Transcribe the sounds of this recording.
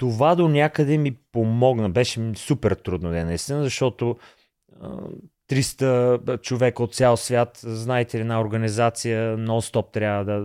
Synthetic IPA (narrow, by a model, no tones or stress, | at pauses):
t̪ovad̪onʲakəd̪ɛmipomɔɡnəbɛʃɛmsupɛɾt̪ɾud̪nod̪ɛnɐist̪inəzɐʃt̪ɔt̪o | ə̰t̪ɾist̪ət͡ʃovɛkəot̪̚t̪sʲjalˠsvʲjat̪znaɛt̪ɛɛd̪naoɾɡənizat̪sijənɔlˠst̪ɔp̚t̪ɾʲavəd̪ə